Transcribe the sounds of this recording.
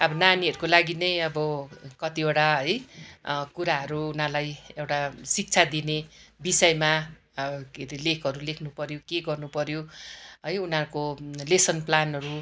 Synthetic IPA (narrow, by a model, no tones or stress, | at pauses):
ʌbʌnaniɦʌɾukolaɡinʌjʌbʌkʌt̪ieʈaɦʌj | kuɾaɦʌɾuːnalajewʈasik̚t͡sʰad̪inebisʌjma | keɾilekʰʌɾulekʰnupʌɾjokeɡʌrnupʌɾjoɦʌjunaɾukolesʌnplanɦʌɾu